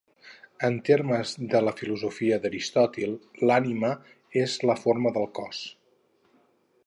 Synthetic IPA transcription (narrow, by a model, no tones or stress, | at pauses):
ənt̪eɾməzðələfiluzufiəðəɾist̪ɔt̪ilˠlanimə | ezləfoɾməðəlˠkɔs